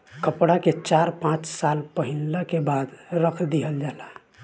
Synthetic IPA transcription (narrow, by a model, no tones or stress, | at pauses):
kəpɽaket͡ʃaɾpãt͡ʃsalpəɦinləkebad̪ɾəkʰd̪iɦəld͡ʒala